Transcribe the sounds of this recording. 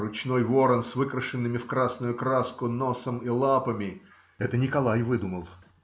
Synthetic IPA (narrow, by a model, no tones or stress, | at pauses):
ɾʊt͡ɕno̞jvo̞ɾənsvɨkɾəʂɨnːɨmʲɪfkɾasnʊjʊkɾaskʊno̞səmilˠapəmʲɪ | ɛt̪ənʲɪkɐlˠajvɨd̪ʊməlˠ